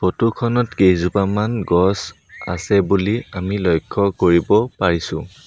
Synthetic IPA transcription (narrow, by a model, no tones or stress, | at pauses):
potukʰɔnɔtkejzupamanɡɔs | a̰sɛbuliamilɔjkʰːɔkoɹibɔpaɹisʊ̰̃